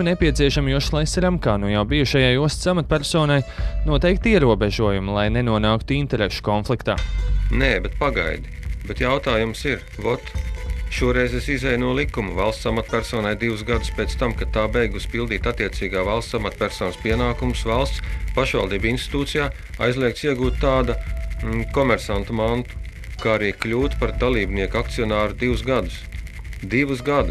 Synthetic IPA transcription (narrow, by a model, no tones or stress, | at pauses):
nɛpiɛt̪siɛʃamjuɔʃlˠɛsɛɾamkaːnujawbijuʃajajuɔst̪samat̪̚pæɾsɔːnajnuɔt̪ɛjk̚t̪iɛɾuɔbeʒuɔjumulˠajnenuɔnaːkt̪uint̪ɛɾeʃu̥kɔnflˠikt̪a̰ːneːbɛt̪̚paɡa̰jd̪ibɛt̪jawt̪aːjumsiɾ | vɔt̪ʃuɔɾɛjzesizɛjnuɔlˠikːumuvalˠst̪samat̪pʲæɾsɔːnajd̪iʋusɡad̪uspeːt̪st̪amkat̪ːaːbejɡusʲpilˠd̪iːt̪at̪ːiɛt̪siːɡaːvalˠst̪amat̪pʲæɾsɔːnspiɛnaːkumʊsvalˠst̪spaʃʋa̰lˠd̪iːbinst̪i̥t̪uːt̪sijaː | a̰jzliɛk̚t̪siɛɡuːt̪t̪ːaːd̪a | kɔmɛɾsant̪umant̪u̥ | kaːɾiːklʲuːt̪paɾd̪alˠiːbniɛəkakt̪siɔnaːɾud̪ivusɡad̪us | d̪iʋusɡad̪ʊs